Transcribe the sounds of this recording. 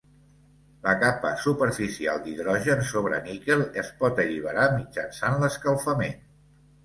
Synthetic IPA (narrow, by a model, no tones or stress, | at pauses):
ləkapəsupəɾfisialˠd̪iðɾɔʒənsoβɾə̰nikelˠəspɔt̪əʎiβ̞əɾamid͡ʒənsanləskəlˠfəmen